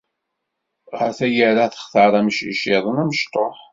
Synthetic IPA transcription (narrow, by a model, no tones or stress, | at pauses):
ʁəɾθæjəɾaθə̥χθɑɾˤæmʃḭʃiðˤənæməʃt̪ˤoħ